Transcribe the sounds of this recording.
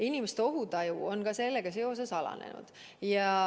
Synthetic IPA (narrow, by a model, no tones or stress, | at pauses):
inʲimest̪eo̞ɦut̪ɑjuo̞nɡ̥ɑselːeɡ̥ɑse̞o̞se̞sɑlɑ̰nḛnṵd̪̥ | jɑ